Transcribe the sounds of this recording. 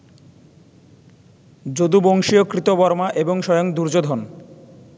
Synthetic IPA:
d͡ʑod̪uboŋʃiokɾit̪obɔɾmaʔeboŋʃɔjoŋd̪uɾd͡ʑod̪ʱon

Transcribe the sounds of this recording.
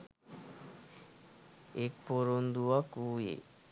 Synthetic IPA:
ek̚poɾond̪uakuːjḛ

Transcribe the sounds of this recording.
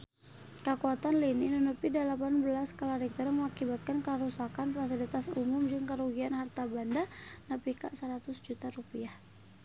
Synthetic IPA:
kəkuat̪anlininonəpidalapanbəlaskaladɛk̚t̪aɾaməŋakibat̪̚kankəɾusakanpɾɛs̬idit̪asumʊmd͡ʒɨŋkəɾuɡianhart̪abandanəpikaʔsəɾat̪ʊsd͡ʒut̪aɾupiah

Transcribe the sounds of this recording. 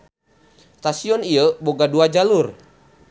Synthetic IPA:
st̪asiɔniəboɡaduad͡ʒalur

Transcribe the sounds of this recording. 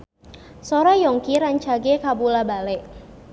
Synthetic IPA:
sɔɾajɔŋkiɾaɲt͡ʃaɡekabulabalɛʔ

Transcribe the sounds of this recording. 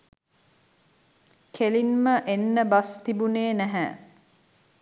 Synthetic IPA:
kʰelinməʔenːəbast̪ibuneːnæɦæ

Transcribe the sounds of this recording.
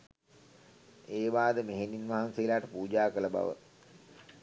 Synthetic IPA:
eːʋaːd̪əmeɦeninʋaɦanseilaːʈəpuːd͡ʒaːkələba̰ʋə̰

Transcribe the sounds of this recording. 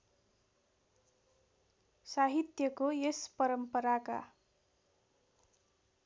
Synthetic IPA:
saɦit̪jʌkoespʌɾʌmpʌɾaka̰

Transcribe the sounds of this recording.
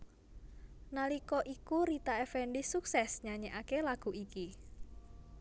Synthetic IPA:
nalikɔʔikuɾit̪aɛfɛɳɖisuksɛsɲaɲeʔakelaɡ̥ṳʔiki

